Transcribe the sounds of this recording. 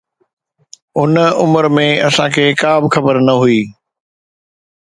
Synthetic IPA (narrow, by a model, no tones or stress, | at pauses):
ʊnʊməɾmẽɐsãkʰeːkaːbɪxɐbəɾnɐɦuiː